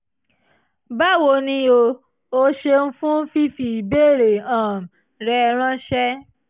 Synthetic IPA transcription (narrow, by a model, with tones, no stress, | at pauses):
ba˦˨wo˧nĩ˧o˧ | o˧ʃe˧n̩˦fũ˦fi˦fi˨be˦˨ɾe˨ã˨m̩˨ | ɾɛ˧ɾ̃ã˦ʃɛ˦